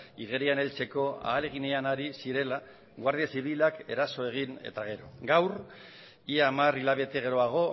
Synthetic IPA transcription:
iɣe̞ɾiane̞lt͡se̞ko̞a̰ːle̞ɣ̞ineanaɾisiɾe̞la | ɣwaɾðiasiβilake̞ɾaso̞e̞ɣ̞ine̞̰t̪aɣ̞e̞ɾo̞ɡawr | iamarilaβe̞t̪e̞ɣe̞ɾo̞aɣ̞o̞

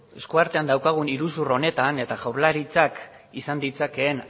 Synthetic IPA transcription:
e̞skuaɾt̪e̞and̪awkaɣ̞uniɾus̬uro̞ne̞t̪ane̞t̪aɣawɾlaɾit͡sak | isand̪it͡sake̞ːn

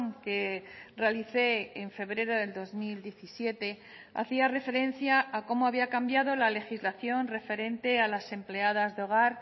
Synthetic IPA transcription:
ŋkere̞aliθe̞ːɱfe̞βɾe̞ɾoðe̞ld̪o̞zmild̪je̞θisje̞t̪e̞ | a̰θiare̞fe̞ɾe̞n̟θjaːko̞moaβiakambjað̞o̞lale̞xizlaθjo̞nre̞fe̞ɾe̞nt̪e̞alase̞mple̞að̞azðo̞ɣ̞aɾ

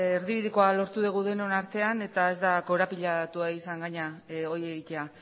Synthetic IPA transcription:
eɾðiβiðiko̞alo̞ɾt̪uð̞eɣ̞uðe̞nonaɾt̪e̞ane̞t̪ae̞zd̪ako̞ɾapiʎat̪uaisaŋɡaɲao̞je̞ɣit̪e̞a

